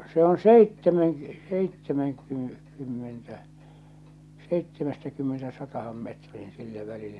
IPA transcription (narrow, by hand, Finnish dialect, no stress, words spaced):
se on seitːemen seitːemeŋky kymːentæ seitːemɛstækymːenestæ sɑtɑhɑn metriːn silːæ ʋælilːæ